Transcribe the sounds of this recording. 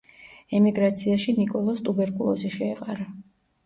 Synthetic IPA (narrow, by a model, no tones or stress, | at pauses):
ɛmiɡɾat̪sʰiaʃinikʼɔlˠɔst̪ʼubɛɾkʼulˠɔ̰siʃɛːqʼaɾa